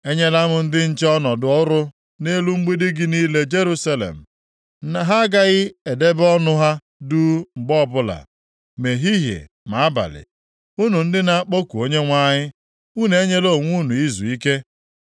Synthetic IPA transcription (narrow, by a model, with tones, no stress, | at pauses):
e˦ɲe˦la˦mʊ˨n̩˦dɪ˦n̩˦t͡ʃɔ˦nɔ˨dʊ˨ɔ˦ɾʊ˦ | ne˦lu˦ŋ͡m̩˦ɡ͡bi˦di˦ɡɪ˦niː˦le˦d͡ʒe˦ɾu˦sa˦lḛ˨m̩˨ | na˨ɦa˦ɡa˦ɣɪ˦e˨de˦bɔ˦nʊ˦ɦa˦ | du˦ŋ͡m̩˨ɡ͡bɔ˦˨bʊ˦la̰˨ | me˨ɦi˦ɦjḛ˨ | ma˨a˦ba̰˨lɪ̰˨ | u˦nu˨n̩˦dɪ˦na˦a˦k͡po˦ku˨o˦ɲe˦ŋʷa˦ɲɪ˦ | u˦ne˦ɲe˦lo˦˨ŋʷu˦nu˨i˦zṵ˨i˦ke˦